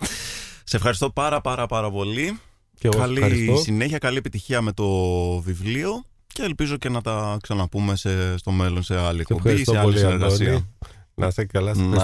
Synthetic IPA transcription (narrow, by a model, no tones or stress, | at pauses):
seefxɐɾist̪o̞pɐɾɐpɐɾɐpɐɾɐpo̞li | ekɐlisssine̞çɐkɐliepit̪içiɐme̞t̪o̞vivlio̞ | ce̞ːlpizo̞ce̞nɐt̪ɐksɐnɐpume̞sest̪o̞me̞lo̞nse̞ɐliekspobissoeɐlisineɾɣɐsiɐnʔɐsekɐlɐsn